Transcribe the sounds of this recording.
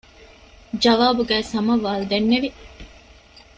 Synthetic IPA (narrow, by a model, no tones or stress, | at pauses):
d͡ʒɐʋaːbuɡæːsɐmɐʋaːlud̪enːeʋi